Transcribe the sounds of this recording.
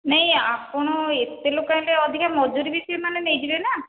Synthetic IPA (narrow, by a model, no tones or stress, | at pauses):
nɛɦĩapɔɽ̃ɔet̪elokajleɔd̪ʱikʰamɔd͡ʒuɾibisɔemanenejd͡ʒibena